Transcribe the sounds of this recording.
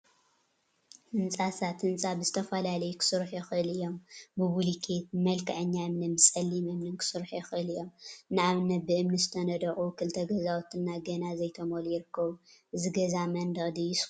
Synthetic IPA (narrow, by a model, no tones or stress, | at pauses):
hɨnt͡sʼasat̪ɨnt͡sʼabɨzɨt̪ʰɐfɐlalɐjukʰɨ̥sɨɾħjɛxʔɨlɨjːo̞mbɨbulikʰet̪̚mɐlkʰɐʕɨɲːaɨmnɨmɨsʼɐlːimɨmnɨnkʰɨ̥sɨɾħjɛxʔɨlɨjːomnɨʕaβnɐt̪̚bɨʔɨmnizɨt̪ʰɐnɐd̪ɐʔʼukʰɨlt̪ʰɐɡɐzawt̪ʰɨnːaɡɐnazɐjt̪ʰɐmolujɪɾɨkːɐβuʔɨziɡɐzamɐnd̪ɐχʼd̪ijɪs